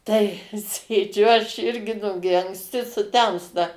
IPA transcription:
tɐɪ ˈsʲeːd͡ʒʲʊ ˈɐʃ ˈɪrʲɡʲɪ ˈnʊɡʲɪ ɐŋksʲˈtʲɪ sʊˈtʲɛmstɐ

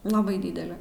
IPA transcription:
lˠɐˈbɐɪ ˈdʲiːdʲɛlʲɪ

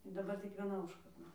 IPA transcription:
dɐˈbɐr tʲɪk ʋʲiɛˈnɐ ˈʊʃkɐrdɐ

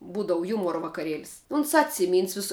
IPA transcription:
ˈbuːdɐʋʊ ˈjuːmuɔrɐ ʋɐkɐˈrʲiɛlʲɪs ʊns ˈɑːtʲsʲɪˌmʲiːns ˈʋʲɪsɐ

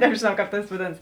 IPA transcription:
nʲɛbʲʒʲeːˈnɐʊ ˈkɑːp ˈtɐs ʋɐˈdʲeːnɐs

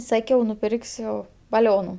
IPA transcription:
ˈsɑːkʲɛʊ nʊˈpʲɪrksʲʊ bɐˈlʲoːnʊ

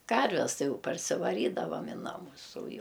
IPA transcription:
ˈkɐrʲʋʲɛs ˈtɐɪ ˈjɛʊ pɐrʲsʲɪʋɐˈrʲiːdɐʋɐm ɪ ˈnɑːmʊs oː ˈjɛʊ

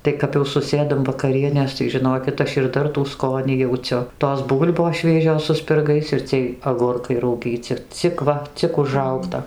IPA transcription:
ˈtɐɪ kɐp jɛʊ sʊˈsʲeːdɐm ʋɐkɐˈrʲiɛnʲeːs tɐɪ ʒʲɪˈnoːkʲɪt ˈɐʃ ɪr ˈdɐr tuː ˈskoːnʲiː jɛʊˈt͡sʲʊ toːs ˈbuːlʲboːs ˈʃʲʋʲiɛʒʲoːs sʊ sʲpʲɪrˈɡɐɪs ɪr ˈt͡sʲiɛj ɐɡʊrˈkɐɪ rɐʊˈɡʲiːt͡sʲɪ ˈt͡sʲɪk ʋɐ ˈt͡sʲɪk ʊʒˈrɐʊktɐ

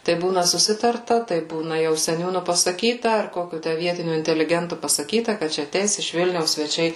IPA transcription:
tɐɪ ˈbuːnɐ sʊˈsʲɪtɐrtɐ tɐɪ ˈbuːnɐ jɛʊ sʲɛˈnʲuːnʊ pɐsɐˈkʲiːtɐ ɐr ˈkoːkʲʊ ˈtʲæ ˈʋʲiɛtʲɪnʲʊ ɪnʲtʲɛlʲɪˈɡʲɛntʊ pɐsɐˈkʲiːtɐ kɐt ˈt͡ʃʲɛ ɐˈtʲɛɪs ɪʃ ˈʋʲɪlʲnʲɛʊs sʲʋʲɛˈt͡ʃʲɛɪ

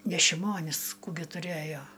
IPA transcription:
nʲɛ ʃʲɪˈmoːnʲɪs ˈkuː ɡʲɪ tʊˈrʲæːjoː

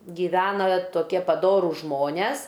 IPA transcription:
ɡʲɪˈʋʲæːnɐ toːˈkʲiɛ pɐˈdoːruːs ˈʒmoːnʲɛs

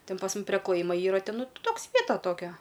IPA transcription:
ˈtʲɪn pɐs ˈmʊm pʲrʲɛ klˠɐˈjɪmoː ˈiːrɐ ˈtʲɛn ˈnʊ ˈtoːks ˈʋʲiɛtɐ ˈtoːkʲɛ

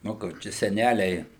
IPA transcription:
ˈnʊ kʊr ˈt͡ʃʲɛ sʲɛˈnʲælʲɛɪ

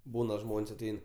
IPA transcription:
ˈbuːnɐ ˈʒmoːnʲsʲ ɐˈtʲɛɪn

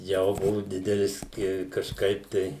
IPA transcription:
ˈjɛʊ ˈbʊʋʊ ˈdʲɪdʲɛlʲɪs ɪ kɐʃˈkɐɪp tɐɪ

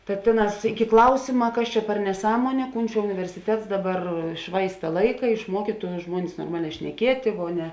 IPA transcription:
tɐ ˈtʲeːˌnɑːs ˈɪkʲɪ ˈklˠɐʊsʲɪmɐ ˈkɐs t͡ʃʲɛ pʲɛr nʲɛˈsɑːmuɔnʲeː ˈkuːn t͡ʃʲɛ ʊnʲɪʋʲɛrʲsʲɪˈtʲɛts ˈdɑːˌbɐr ˈʃʋɐɪstɐ ˈlˠɐɪkɐ ɪʃˈmuɔkʲiːtʊ ˈʒmuɔnʲɪs noːrˈmɑːˌlʲɛː ʃʲnʲɛˈkʲiɛtʲeː ˈʋoː ˈnʲɛ

